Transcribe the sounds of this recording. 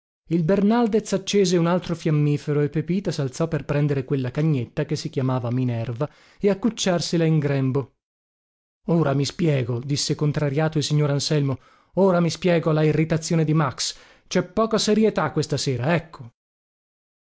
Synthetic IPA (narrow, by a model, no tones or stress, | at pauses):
ilbernald̪et̪sat͡ʃːeːzeunalt̪ɾofjamːiːfeɾoepːepiːt̪asalt̪sɔpːerpɾɛnd̪eɾekwelːakaɲːet̪ːakesːikjamaːvaminɛrva | eakːut͡ʃːarselaiŋɡɾɛmbo | oːɾamispjɛːɡod̪isːekont̪ɾaɾjaːt̪oilsiɲːoːɾansɛlmo | oːɾamispjɛːɡoalːairːit̪at̪sːjoːned̪imaks | t͡ʃɛpːɔːkaseɾjet̪akːwest̪aseːɾaɛkʰːo̥